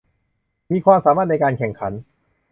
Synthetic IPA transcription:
miː˧kʰwaː˧msaː˩˦maː˥˩t̪̚na˧jkaː˧nkʰɛ˨˩ŋkʰa˩˦n

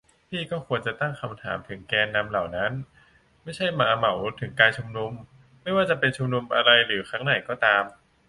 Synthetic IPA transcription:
p̪ʰiː˥˩kɔː˥˩kʰu˧ənt͡ɕa˨˩t̪a˥˩ŋkʰa˧mt̪ʰa̰ː˩˦mt̪ʰɯ˩˦ŋkɛː˧nːa˧mla˨˩wna˦˥n | ma˥˩jt͡ɕʰa˥˩jmaː˧˩˦ʔma˩˦wt̪ʰɯ˩˦ŋkaː˧jt͡ɕʰu˧mnu˧m | ma˥˩jwaː˥˩t͡ɕa˨˩pe˧nt͡ɕʰu˧mnu˧mʔa˧ɾa˧jɾɯː˩˦xʰa˦˥ŋna˨˩jkɔː˥˩t̪aː˧m

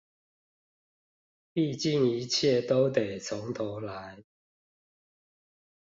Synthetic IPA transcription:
pi˥˨t͡ɕi˥˨˩ŋi˨˦t͡ɕʰjɛ˥˨t̪o˦˥ʊt̪e˨˩ɪt͡sʰʊ˨˦ŋt̪ʰɔ˨˦la˨˦ɪ

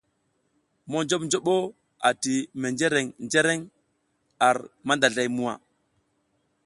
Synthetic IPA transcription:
mo˦nd͡ʒo˦ɓnd͡ʒo˦ɓo˦ | a˨ti˨me˨nd͡ʒe˦ɾe˨ŋnd͡ʒe˦ɾe˦ŋ | a˨ɾma˦nda˨ɮa˨jmu˨wa̰˨

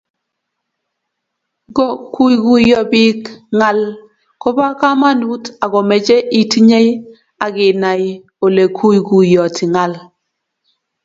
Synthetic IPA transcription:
ɡɔ˦˨ku˦jɡu˦jɔ˨bi˦kŋa˦l | kɔ˦ba˦ka˦ma˦nu˦ta˨ɡɔ˨mɛ˨d͡ʒɛ˦ʔi˨ti˦ɲe˦j | a˨ɡi˨na˨j | o˨le˨kʰu˦jɡu˨jɔ˨ti˨ŋa˦l

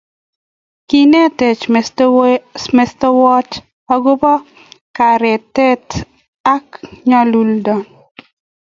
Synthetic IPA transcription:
ki˦nɛ˦tɛ˨t͡ʃ | mɛ˦stɔ˦wɔ˦t͡ʃ | a˦ɡo˦pɔ˦ | ka˨ɾɛ˨tɛ˦t | a˦kɲa˦lu˨ldɔ˨n

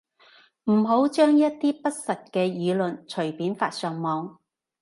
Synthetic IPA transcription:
m̩˨˩ɦo˨˥wt͡ʃœː˥ŋjɐ˥t̚t̪iː˥pɐ˥t̚sɐ˨t̚kɛː˧jiː˨˧lɵ˨nt͡ʃʰɵ˨˩ɥpiː˨˥nfa̰ː˧t̚sœː˨ŋmɔː˨˧ŋ

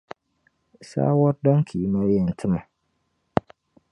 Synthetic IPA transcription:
sa̰ː˦wɔ˦ɾdɔ̃˦ŋ˦kʰi˨˦mã˦jɛ˨n̩˨tʰɪ˦mã˨

